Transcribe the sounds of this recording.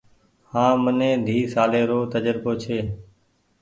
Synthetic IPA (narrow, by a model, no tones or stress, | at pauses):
hãːmənẽːd̪ʱiːsaːleːɾoːt̪əd͡ʒəɾboːt͡ʃʰeː